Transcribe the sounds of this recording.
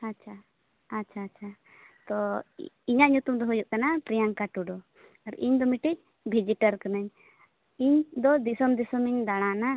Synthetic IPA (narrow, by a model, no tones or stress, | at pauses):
att͡ʃʰaː | ʃʰaːtt͡ʃʰa | t̪ɔ | iɲaʔɲut̪umd̪ɔɦujuʔkanapɾijaŋkaʈuɖɔ | aɾiɲd̪ɔmiʈi | bʱid͡ʒiʈaɾkanaɲ | iɲd̪ɔd̪isɔmd̪isɔmiɲd̪aɽ̃ana